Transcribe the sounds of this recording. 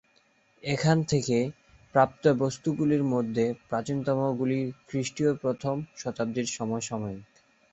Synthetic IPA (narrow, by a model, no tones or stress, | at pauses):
ekʰant̪ʰeke | pɾap̚t̪obost̪uɡuliɾmod̪ʱːepɾat͡ɕint̪ɔmoɡulikɾiʃʈiopɾot̪ʰomʃɔt̪ab̚d̪iɾʃɔmɔeʃɔmɔe